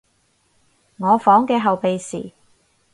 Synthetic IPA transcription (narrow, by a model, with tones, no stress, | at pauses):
ŋɔː˨˧fɔː˨˥ŋkɛː˧ɦɐ˨wpe˨jsḭː˨˩